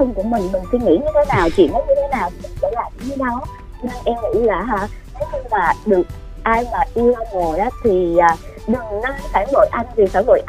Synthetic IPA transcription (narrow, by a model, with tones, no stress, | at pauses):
t̪ʰə˧wŋ͡mku˧˩əmï˨˩ŋ̟mï˨˩ŋ̟si˧ŋḭ˧˥ɲɨ˧t̪ʰe˨˦naː˨˩wt͡ɕḭ˧˨nɔ˨˦ɲɨ˧t̪ʰe˨˦naː˨˩wtmï˨˩ŋvə̰˧˥laː˨˩mt͡ɕi˧˨˦ɲɨ˧˦ɗɔ˨˦ | t͡ɕɔ˧ne˧nʔɛ˧mŋḭ˧˥laː˨˩ɦaː˧˩ | nə˨˦ɲɨ˧maː˨˩ɗɨ˨˩ək̚ | ʔaː˧jmaː˨˩ʔi˧ə˧ŋo˨˩ʔaː˨˦t̪ʰi˨˩aː˨˩ | ɗɨ˨˩ŋnə˧˦saː˧˩zo̰˧˨jʔa˧jŋ̟vi˨˩saː˧˩zo̰˧˨jʔ